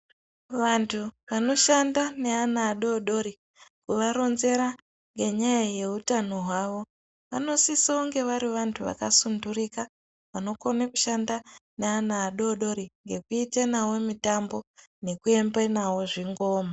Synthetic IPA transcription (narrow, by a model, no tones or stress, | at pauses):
ʋantʰuʋano̞ʃandane̞anaːɗo̞ɗo̞ɾi | kuʋaɾo̞nze̞ɾa | ŋɡe̞ɲajaje̞utano̞ɦwaʋo̞ | ʋa̰no̞sisaoŋɡe̞ʋaɾiʋantʰuʋa̰kasundurika | ʋano̞konekuʃandaneanaːɗo̞ɗo̞ɾiŋɡe̞kuitenawo̞mitambo̞ | ne̞kue̞mbenawo̞ʐiŋɡo̞ːma